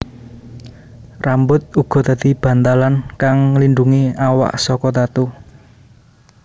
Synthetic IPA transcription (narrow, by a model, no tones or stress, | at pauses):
rambʊt̪̚uɡ̥ɔ̤t̪ad̪̥i̤b̥ä̤nt̪alankaŋlinɖuŋiawa̰ʔsɔkɔt̪at̪u